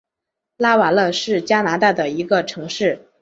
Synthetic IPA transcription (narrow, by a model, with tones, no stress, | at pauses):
la˥wa˨˩lɤ˥˧ʂɻ̩˥˩t͡ɕja˥na˧˥t̪a˥˩d̪ə˩i˧˥ɡə˧ʈ͡ʂʰɤ˧˥ŋʂɻ̩˥˩